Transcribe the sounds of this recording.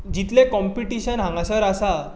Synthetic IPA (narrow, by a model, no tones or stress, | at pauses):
d͡ʑit̪lẽkɔmpiʈiɕənɦãŋɡasəɾasa